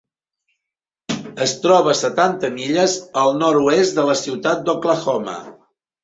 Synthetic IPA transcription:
əst̪ɾɔβ̞əsət̪ant̪əmiʎəzəlˠnɔɾuesd̪ələsiwt̪at̪̚d̪okləxɔmə̰

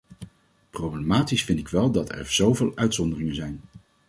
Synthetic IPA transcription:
prowblemaːtisfɪntɪkʋɛlˠdɑtɛ̰ɹz̥owvɪːlˠœɥtsɔndərɪŋənzɛjn

